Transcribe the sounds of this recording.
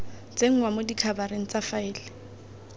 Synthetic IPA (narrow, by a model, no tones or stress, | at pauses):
t͡seŋ̩wamʊdikʰabaɾeŋ̩t͡safaɪːlɪ